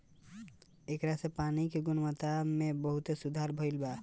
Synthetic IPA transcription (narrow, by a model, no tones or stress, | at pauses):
ekɾasẽpanikeɡunmət̪amebəɦut̪esud̪ʱaɾbʱəjlba